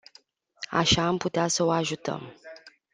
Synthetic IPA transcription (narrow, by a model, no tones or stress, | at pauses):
a̰ʃaːmput̪easəoaʒut̪ə̰m